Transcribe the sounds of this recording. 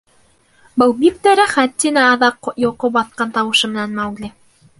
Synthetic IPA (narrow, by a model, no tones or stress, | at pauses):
bɤlˠbik̚t̪æɾæχæt̪ːinæːðɑqjŏqopbɑt̪qɑnt̪ɑwɤ̆ʃɤmɘ̆nænmæwɡli